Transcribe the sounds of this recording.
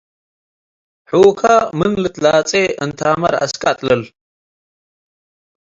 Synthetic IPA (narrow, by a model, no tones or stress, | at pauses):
ħuːkʰamɨnlɨt̪ʼlaːt͡sʼeʔɨnt̪ʰaːmɐ̰ɾa̰skʼat̪ʼlɐl